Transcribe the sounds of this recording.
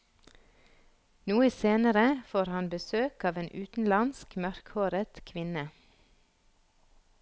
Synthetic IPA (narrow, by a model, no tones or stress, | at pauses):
nuːəseːnəɾəfoːɾhɑnbəsøːkɑːʋeːnʔʉːt̪n̩lɑnskmœɾkhoːɾət̪kʰʋɪnə